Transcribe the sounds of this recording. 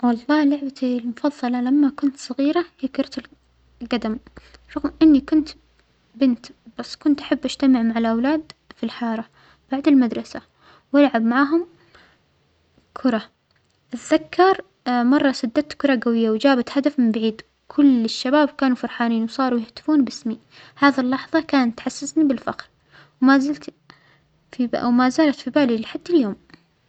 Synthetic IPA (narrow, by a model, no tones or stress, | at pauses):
wɑlˤːɑːlʊʕbalmʊfɑðˤːɑlɑlamːakʊnt̪sˤɑɣiːɾajakɑɾˤt̪ɪl | lɡad̪amfˤɑɣʔɪnːikʊnt̪ | bɪnt̪b̥asːkʊnt̪ʔḁħabːʔad͡ʒ̥t̪amɪʕmaʕalʔawlaːd̪filħɑːɾˤɑ | b̥aʕd̪ɪlmad̪ɾˤɑsa | wɪlʕabmaʕaːɦʊm | kʰʊɾˤɑ | ʔɪθðakːɑɾˤ | mɑrˤːɑsad̪ːat̪kʊɾˤɑɡawɪjːawd͡ʒaːbat̪had̪afmɪmbaʕiːd̪ | kʰʊlɪʃːabaːbkaːnufɑɾˤħaːniːnwsˤɑːɾˤujɪht̪ɪ̥fuːnbɪsmi | haːðilːɑħðˤɑkaːnat̪ħasːasnibɪlfa̰qɾ | wmazɪlt̪ | fḭwmazaːlat̪fibaːlilɪħad̪ːaljoːm